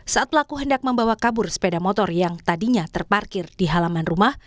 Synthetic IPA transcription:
saʔat̪̚pəlakuɦəndak̚məmbawakabʊrspedamɔt̪ɔrjaŋt̪adiɲat̪ərparkɪrdiɦalamanrumah

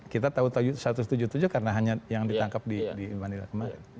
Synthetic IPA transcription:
kit̪at̪aut̪ad͡ʒusat̪ʊst̪ud͡ʒut̪ud͡ʒukarənaɦaɲajaŋdit̪aŋkap̚didimanila̰kəmaɾɪ̰n

